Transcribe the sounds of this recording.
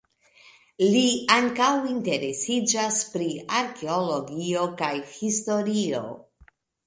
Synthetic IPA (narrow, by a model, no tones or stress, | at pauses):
liaŋkawinte̞ɾe̞sid͡ʒaspɾiaɾke̞olo̞ɡio̞kajhisto̞ɾio̞̰